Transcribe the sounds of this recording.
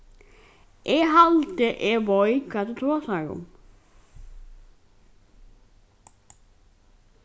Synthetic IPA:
ʔeːhɑlt̪əʔeːʋɔʏkʰɑt̪ət̪ʰɾoːsɑɹʊ̰m

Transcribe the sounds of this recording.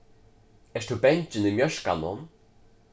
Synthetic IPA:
ɛʂt̪ubɛɲt͡ɕɪnɪmjœʃka̰nʊn

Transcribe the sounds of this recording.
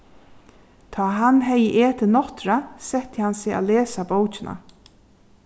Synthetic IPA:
t̪ʰɑːɦanɦɛjəʔeːt̪ʰɪnɔht̪ɾasɛht̪ɪhansɪːa̰lɛːsabowt͡ʃɪnʔa̰

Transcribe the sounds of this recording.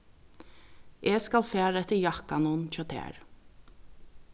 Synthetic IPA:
ʔeːskɑlfæːɾɛt̪əjɑkanɔnc͡çɔt̪ʰḛːɹ

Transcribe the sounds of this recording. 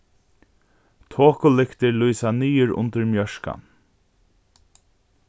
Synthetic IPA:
t̪ʰoːkʊlɪkt̪ɪɾlujsaniːʏɹʊ̰nt̪əɾmjœʃka̰n

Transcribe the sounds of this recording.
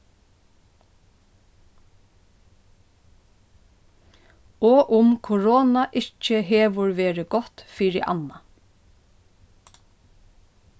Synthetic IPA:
ɔːʔʊmkʰʊɹoːnaʔɪt͡ʃːəɦeːʋʊɹʋeːɹɪɡɔt̪fiːɹɪʔɑ̰na

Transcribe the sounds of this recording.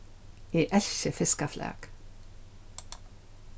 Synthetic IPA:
iːʔælçəfɪskɑflæ̰ːɡ̥

